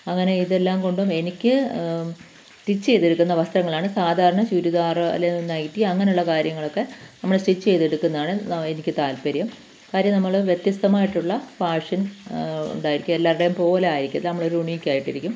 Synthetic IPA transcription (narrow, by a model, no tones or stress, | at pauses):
ɐŋːɐne̞iðelːaːmko̞ɳɖume̞nikʲːɨ | sʈit͡ɕːt͡ɕe̞jt̪eɽukːunːɐʋɐst̪ɾɐŋːɐɭaːɳɨsaːd̪ʱaːɾɐɳɐt͡ɕuɾuðaːr̰lːeninːaːjiʈːiɐŋːɐneuɭːɐkaːɾjɐŋːɐɭo̞kːe̞nɐmːɐɭsʈit͡ɕːt͡ɕe̞jt̪eɽukːunːɐðaːɳɨenikʲːɨt̪aːlpɐɾjɐm | kaːɾjɐmnɐmːɐɭʋjet̪jɐst̪ɐmaːjiʈːuɭːɐfaːʂɐnṵɳɖaːjiɾikʲːumelːaːɾɽejumpo̞ːleaːjiɾikʲːnɐðilnɐmːɐɭo̞ɾuuɳiikʲːaːjiʈːiɾikʲːum